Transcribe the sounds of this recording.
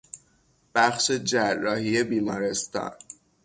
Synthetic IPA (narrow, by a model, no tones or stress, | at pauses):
b̥æχʃe̞d͡ʒærːɒːhije̞biːmɒːɾe̞st̪ɒ̰ːn